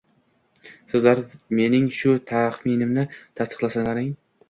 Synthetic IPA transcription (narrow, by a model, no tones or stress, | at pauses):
sɪzlaɾme̞nɪŋʃʊt̪ʰaχminɪmnɪt̪ʰast̪ɨ̥qlˠasaŋaɾɪŋ